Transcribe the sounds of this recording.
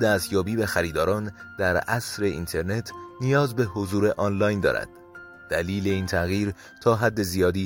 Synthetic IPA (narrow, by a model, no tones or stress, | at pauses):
d̪æst̪jɒːbiːbexæɾiːd̪ɒːɾɒːnd̪̥æɾæsɾe̞ḭnt̪ʰe̞ɾne̞t̪ʰnijɒːzbe̞ɦozuːɾe̞ʔɒːnlɒːjnd̪ɒ̰ːɾæ̰d̪̥ | d̪̥æliːle̞iːnt̪ʰæɣiːɾ | t̪ʰɒːɦæd̪ːe̞zijɒːd̪iː